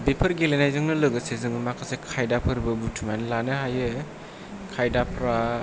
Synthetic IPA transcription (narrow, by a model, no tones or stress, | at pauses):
bepʰɯɾɡelenajzɯŋnɯlɯɡɯsezɯŋɯmakʰasekʰajdapʰɯɾbɯbutʰumanlanɯɦajɯ | kʰajdapʰɾa